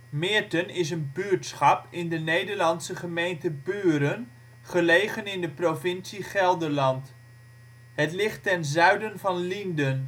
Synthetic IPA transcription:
mɪːɹtənɪs̬ənbyːɹtsχɑpɪndənejdəɹlɑnsəχəmejntəbyːɾən | χəlejχənɪndəprovɪnsiχɛlˠdəɹlɑnt | ɦətlɪχtːɛnzœɥdənvɑnlindən

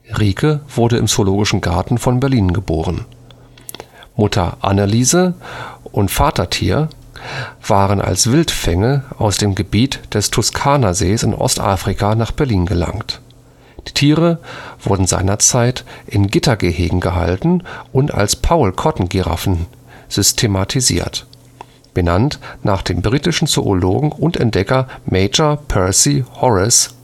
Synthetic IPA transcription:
ʁiːkʰəv̥ʊɐdəʔɪ̰mz̥oloːɡɪʃn̩ɡaɐtn̩fɔnbɛɐliːnɡəboːʁən | mʊtʰɐ̰ʔa̰nəliːzəʔʊntfaːtʰɐtʰḭːɐ | v̥aːʁənʔa̰lsv̥ɪltfɛŋəʔaʊsd̥eːmɡəbiːtd̥ɛstʰʊskʰaːnazeːsɪ̰nʔɔ̰stʔa̰ːfʁ̥ikʰanaːχb̥ɛɐliːnɡəla̰ŋkt | d̥iːtʰiːʁəv̥ʊɐdn̩za̰ɪnɐt͡saɪtʔɪnɡɪtɐɡeːhḛːɡŋ̩ɡəɦa̰ltn̩ʔʊnta̰lspʰaʊlkʰɔtn̩ɡiʁa̰fn̩ | z̥ʏstʰematʰizḭːɐt | b̥ənantnaːχd̥eːmbʁiːtɪʃn̩t͡so̰ʔolo̰ːɡŋ̩ʊntɛ̰nt̚d̥ɛkɐmeɪd͡ʒɐpʰɛɐsihɔʁɪs

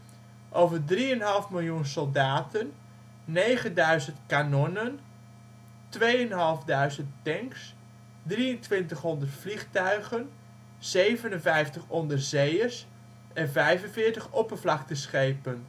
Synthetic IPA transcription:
ʔowvəɹdriənɦɑlˠfmɪlˠjunsɔlˠdaːtənː | ejχəndœɥzəntkanɔnən | tʋejənɦɑlˠvdœɥzənttːɛŋks | driəntʋɪntəχɦɔndərtfliχtœɥχən | z̥ejvənənvɛjftəχɔndərzejəɹs | ʔɛnvɛjvənvɪːɹtəχɔpəvlɑk̚təsχejpən

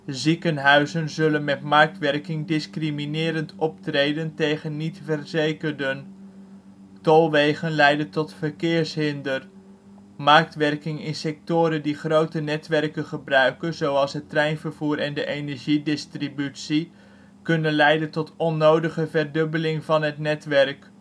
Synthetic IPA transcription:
zikənɦœɥzənzɵlənmɛtmɑɹk̚tʋɛɹkɪŋdɪskriminɪːɾəntɔp̚trejdəntejχənːitfəɹzejkəɹdən | tɔlˠʋejχənlɛjdəntɔtfəɹkɪːɹsɦɪndər | mɑɹk̚tʋɛrɹkɪŋɪnsɛk̚tʊːɾəndiχrowtənɛtʋɛrkənχəbrœɥkənzowɑlˠsɦətːrɛjnvəɹvuːɾɛndəʔenɛɹʒidɪstribytsi | kɵnənlɛjdəntɔtɔnowdəχəvɛɹdɵbəlɪŋvɑnɦətnɛtʋɛɹk

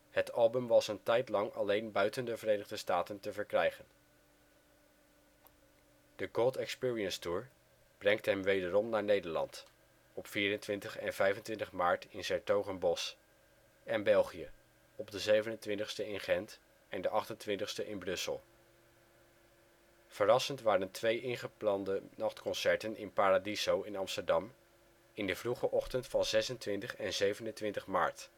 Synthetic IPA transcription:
hətɑlˠbɵmʋɑsəntɛjtlɑŋɑ̰lejnbœɥtəndəvərejnəʁdəstaːtəntəvəɹkrɛjχən | d̥əɡɔlˠtɛkspɪːɹiənstuːɹ | b̥rɛŋtɦɛmʋejdərɔmnaːɹnejdəɹlɑ̰nt | ɔpfiːɾəntʋɪntəχɛnvɛjvəntʋɪntəχmaːɹtɪnsɛɹtowχənbɔs | ɛnbɛlˠχijə | ɔb̚dəzejvənəntʋɪntəχstəɪnχɛnt | ɛndəʔɑχtəntʋɪntəχstəʔɪnbrɵsə̰lˠ | fərɑsəntʋaːɾəntʋejʔɪnχəplɑndənɑχtkɔnsɛɹtənɪnpaːradizowɪnɑmstəɹdɑm | ɪndəvruχəʔɔχtəntfɑnzɛsəntʋɪntəχɛnzejvənəntʋɪntəχma̰ːɹt

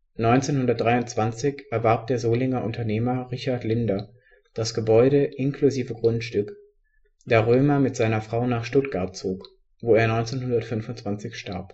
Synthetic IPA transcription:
nɔʏnt͡seːnhʊndɐt̚d̥ʁaɪʊntt͡sv̥ant͡sɪçʔɛɐvaɐp̚d̥eːɐzoːlɪŋɐʔʊntʰɐneːmɐʁɪçaɐtlɪndɐ | d̥asɡ̥əbɔʏɾəʔɪnkluziːvəɡʁʊntʃtʏk | d̥aːʁøːmɐmɪtz̥aɪnɐfʁ̥aʊnaːχʃtʊtɡ̥aɐt̚t͡soːk | voːeːɐnɔʏnt͡seːnhɦʊndɐtfʏnfʊntt͡sv̥ant͡sɪçʃta̰ɐp

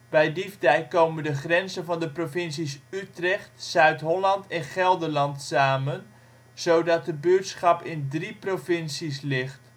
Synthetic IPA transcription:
b̥ɛjdivdɛjkowməndəχrɛnzənvɑndəprofɪnsisytrɛχtsœɥtɦolɑntʰɛnχɛlˠdəlɑntsaːmən | z̥owdɑt̚dəbøːtsχɑpɪndriprofɪnsislɪχt

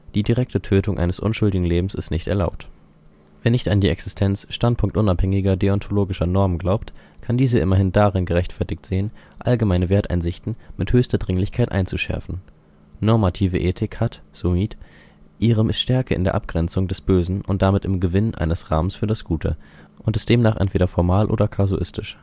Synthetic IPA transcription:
d̥iːdiʁɛk̚tətʰøːtʰʊŋʔa̰ɪnəsʔʊ̰nʃʊldɪɡŋ̩leːbm̩sɪstnɪçtɛ̰ɐlaʊp̚t | veːɐnɪçtandiːɛksɪstʰɛnt͡sʃtant̚pʰʊŋk̚tʔʊnaphɛŋɪɡɐɡeɔntʰoloːɡɪʃɐnɔɐmənɡlaʊp̚tkʰandiːzəʔɪmɐɦɪndaʁɪnɡəʁɛçtfɛɐtɪk̚tz̥eːənʔa̰lɡəmaɪnəveːɐtʔa̰ɪnzɪçtn̩mɪthøːçstɐdʁɪŋlɪçkʰaɪtʔa̰ɪnt͡suʃɛ̰ɐfn̩ | nɔɐmatʰiːvəʔeːtʰɪkhatz̥omiːt | ʔiːʁ̞əmɪstʃtɛɐkəɪ̰ndeːɐʔap̚ɡ̥ʁɛnt͡sʊŋdɛsb̥øːzn̩ʔʊnt̚d̥amɪtɪmɡəvɪnʔa̰ɪnəsʁa̰ːmənsfyːɐdasɡ̥uːtʰə̰ | ʔʊntɪstd̥eːmnaːχʔɛ̰ntv̥eːɾɐfɔɐmaːlʔo̰ːdɐkʰazuʔɪ̰stɪʃ

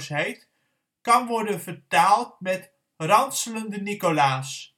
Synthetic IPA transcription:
sɦɛjt | kɑnʋɔɹdənvəɹtaːlˠt̚mɛt | rɑntsələndənikolaːs

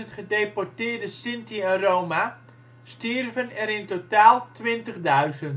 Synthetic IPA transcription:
ətχədejpɔɹtɪːrdəsɪntiɛnrowma | stɪrvənɛɾɪntotaːlˠtʋɪntəχdœɥzənt

